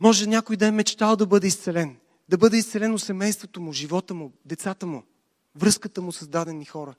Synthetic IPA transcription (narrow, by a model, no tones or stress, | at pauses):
mɔʒɛnʲjakʊjd̪ɐɛmɛt͡ʃt̪alˠd̪ɐbɤd̪ɛist̪sɛlɛn | d̪ɐbɤd̪ɛist̪sɛlɛnosɛmɛjst̪vot̪omʊʒivɔt̪əmʊd̪ɛt̪sat̪əmʊ | vɾɤskət̪əmʊsɐzd̪ad̪ɛnixɔɾə